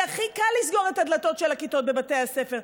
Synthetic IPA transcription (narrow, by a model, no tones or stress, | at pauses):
aχikalːisɡo̞ʁetad̪lato̞tʃelhakito̞t̚be̞bate̞jhasefeʁ